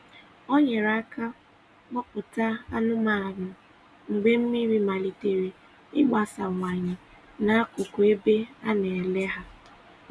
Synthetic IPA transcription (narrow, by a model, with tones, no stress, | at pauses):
o˦ɲe˨ɾa˦ka˦ | ɡ͡bɔ˦pʊ˨ta˦a˦nʊ˦ma˨a˨nʊ˨ | ŋ͡m̩˨ɡ͡be˦m̩˦mi˦ɾi˦ma˨li˨te˨ɾe˨ | ɪ˦ɡ͡ba˨sa˨ŋʷa˨ɲɪ˨ | na˨a˦kʊ˨ku˨e˦be˦a˦ne˨le˦ɦa˦